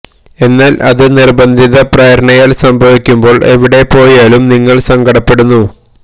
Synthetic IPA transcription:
e̞nːaːlʔɐðɨnirbɐnd̪ʱiðɐprɐjɐɾɐɳɐjaːlsɐmbʱɐʋikʲːumbo̞ːɭʔe̞̰ʋiɽe̞pːo̞ːjaːlumniŋːɐɭsɐŋɡʱɐɽɐpːe̞ɽunːu

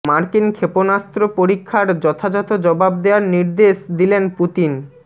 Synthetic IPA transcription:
maɾkinkʰeponast̪ɾopoɾikʰːaɾd͡ʑɔt̪ʰad͡ʑɔt̪od͡ʑɔbab̚d̪eaɾniɾd̪eʃd̪ilenput̪in

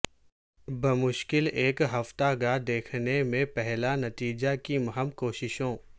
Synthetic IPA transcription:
bɐmʊʃkɪleːkɦɐft̪aɡad̪eːkʰnemẽpɛɦlanɐt̪iːd͡ʒakimɐɦəmkoːʃɪʃõː

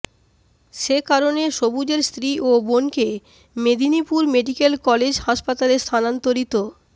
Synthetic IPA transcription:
ʃekaɾoneʃobud͡ʑeɾst̪ʰɾiʔobonke | med̪ʱinipuɾmeɖikelkɔled͡ʑhaʃpat̪aleɾst̪ʰanant̪oɾit̪o

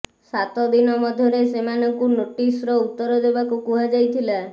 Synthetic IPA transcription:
sat̪ɔd̪inɔmɔd̪ʱjɔɾesemanɔŋkunoʈisɾɔut̪ːɔɾɔd̪ebakukuɦad͡ʒajt̪ʰila

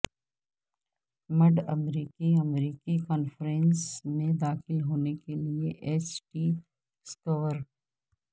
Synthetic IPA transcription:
mɐɖɐmɾiːkiɐmɾiːkikɔːnfɾẽːnsmẽd̪aːxɪlɦoːnekelieʔeːsʈiː | skəʋəɾ

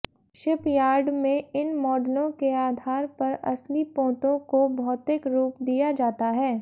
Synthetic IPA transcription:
ʃɪpjaːɾɖmẽɪnmɔːɖlõkeaːd̪ʱaːɾpɐɾɐ̰slipõːt̪õkobʱɔːt̪ɪkɾuːpd̪ijad͡ʒaːt̪aɦɛː

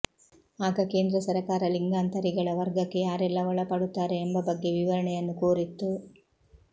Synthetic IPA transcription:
aːɡɐke̞ːnd̪ɾɐsɐɾɐkaːɾɐliŋɡaːnt̪ɐɾiɡɐɭɐʋɐɾɡɐkːe̞jaːɾɛlːɐʋɔɭɐpɐːɽut̪ːaːɾe̞ːmbɐbɐɡːe̞ʋiʋɐɾɐɳɛjɐnːukoːɾit̪ːu

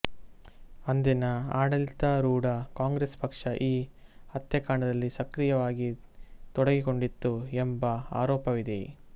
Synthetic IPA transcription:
ɐnd̪inɐaːɽɐlit̪ɐɾuːɽɐkaːŋɡɾespɐkʂɐʔiːhɐt̪ːjɐkaːɳɐd̪ɐlːisɐkɾijɐʋaːɡit̪ɔɽɐɡiko̞ɳɖit̪ːuembɐa̰ːɾɔːpɐʋid̪e̞̰

